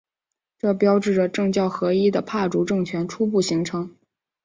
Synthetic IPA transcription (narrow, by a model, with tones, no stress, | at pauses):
ʈ͡ʂɤ˥˩pjɑ˥ʊʈ͡ʂɻ̩˥˩ʈ͡ʂə˩ʈ͡ʂɤ˥˧ŋt͡ɕjɑ˥˩ʊxɤ˧˥i˥d̪ə˨pʰa˥˩ʈ͡ʂu˧˥ʈ͡ʂɤ˥˩ŋt͡ɕʰɥɛ˧˥nʈ͡ʂʰu˥p̬u˥˩ɕi˧˥ŋʈ͡ʂʰɤ˧˥ŋ